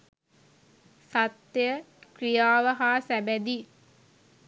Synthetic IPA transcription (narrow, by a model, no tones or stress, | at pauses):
sat̪jə | krijaːʋəɦaːsæbæd̪i